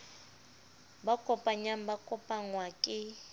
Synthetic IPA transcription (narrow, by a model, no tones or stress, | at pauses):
bakʼɔpʼaɲam̩bakʼɔpʼaŋwakʼɪ